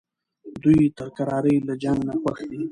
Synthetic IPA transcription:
d̪ujt̪əɾkaɾɑɾəjlad͡ʒaŋɡnapaxd̪i

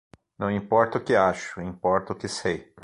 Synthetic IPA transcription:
nɐ̃w̃ĩpɔɾt̪ɐʊkɪaʃʊĩpɔɾt̪ɐʊkɪsej

